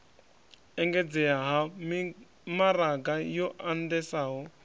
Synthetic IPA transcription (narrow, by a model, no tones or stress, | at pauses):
ɛŋɡɛd͡zɛaɦa | maraɡajɔʔandɛsaɦɔ